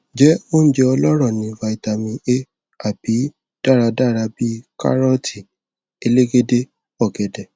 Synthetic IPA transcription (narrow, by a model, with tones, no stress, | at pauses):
d͡ʒɛ˨˦o˦ñ̩˦d͡ʒɛ˧ɔ˧lɔ˦ɾɔ̃˦˨nĩ˨˧va˧i˨ta˧mĩ˧ʔe˦ | a˨b̥i˨˦ | d̥a˦˨ɾa˧da˦˨ɾa˧bi˦ka̰˦ɾɔ˦ti˦˨ | e˧le˦ɡe˦de˦ | ɔ˦˨ɡɛ˨dɛ˨